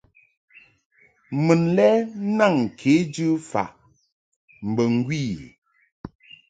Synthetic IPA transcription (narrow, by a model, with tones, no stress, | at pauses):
mə˨nlɛ˦na˦˨ŋ˨kʰe˨˦d͡ʒɨ˦fa̰˨ʔ | m̩˨bə˨ŋ˦ɡwi˦˨